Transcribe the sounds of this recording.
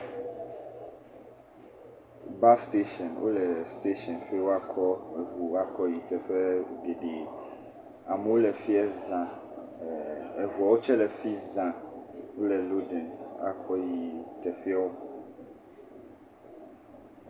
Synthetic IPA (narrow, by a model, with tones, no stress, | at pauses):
ba˦st̪e˦ʃɔ̃˨nwʔo̰˦lɛ˨st̪e˦ʃɔ̃˨nɸi˦wo˦a˦kʰɔ˦ɛ˨ɦu˨˦a˦kʰɔ˦ji˨t̪ɛ˨ɸɛ˦ɡe˨ɖe˨ | a˨mɛ˨˦wo˦lɛ˨fi˦ɛ˦zã˨ | ɛ˨ɦu˨a˨wo˦t͡ʃɛ˦lɛ˨fi˦zã˨wo˦lɛ˨lo˦dɛ̃˨na̰˦kʰɔ˦ji˨t̪ɛ˨ɸi˦a˦o˦